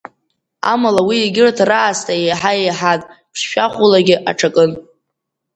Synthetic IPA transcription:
a̰malawiːɡʲɪrtʰraːstʼaejħajejħatʼpʰʂʃʷᶣaχʷʊlaɡʲɪʔa̰ʈ͡ʂʰakʼɨn

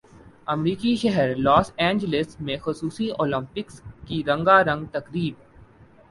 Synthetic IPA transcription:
ɐmɾiːkiʃɛɦɛəɾlɔːsɛ̃ːɲd͡ʒəlɪsmẽxʊsuːsioːlə̃mpɪkskiɾɐ̃ŋɡaɾɐ̃ŋɡt̪ɐkɾiːb

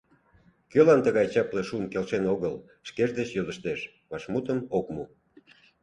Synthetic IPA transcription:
kølɑnt̪əɣɑjt͡ɕɑpleʃumkelʃenoɣəl | ʃkeʒd̪et͡ɕjoðəʃt̪eʃ | βɑʃmut̪əmokmu

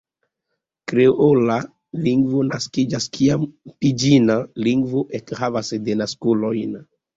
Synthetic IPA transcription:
kɾeola | liŋɡvo̞naskid͡ʒaskʰiampid͡ʒinaliŋɡvoʔekhavasdenaskulo̞jn

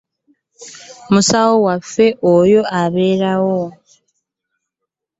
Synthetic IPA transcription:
musawowafe̞ʔojo̞ʔaβe̞ːɾawo

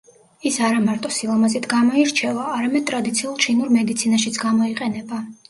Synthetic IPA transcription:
isaɾamaɾt̪ʼɔsilˠɔmazit̪ʰɡamɔiɾt͡ʃʰɛvaːɾamɛd̪̚t̪ʼɾad̪it̪sʰiulˠt͡ʃʰinuɾmɛd̪it̪sʰinaʃit̪sʰɡamɔiqʼɛnɛba

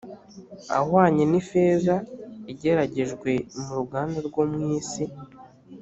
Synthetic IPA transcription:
a̰hwaːɲe̞nife̞ːzaiɟe̞ɾaɟe̞ʒɡwe̞muɾuɡaːndaɾɡomŋiːsi

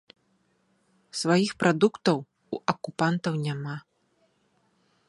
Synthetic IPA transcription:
svajixpɾʔad̪ukt̪ɐw | uʔɐkupant̪ɐwnʲama

